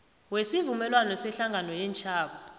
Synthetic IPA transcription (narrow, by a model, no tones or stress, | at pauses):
wesivumɛlwanɔsɛɬaŋɡʱanɔjɛːnt͡ʃʰʼaːɓɔ